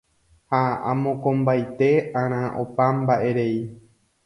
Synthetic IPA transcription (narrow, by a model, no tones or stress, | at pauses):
haã̰mõkõmbajt̪e̞ãɾ̃ãʔo̰pambaʔe̞ɾe̞i